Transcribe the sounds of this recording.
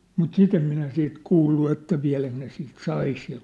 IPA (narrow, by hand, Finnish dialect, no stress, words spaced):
mut sit em minæ siːt kuːlːu etːæ ʋiæ̝læk ne siːt sɑi sil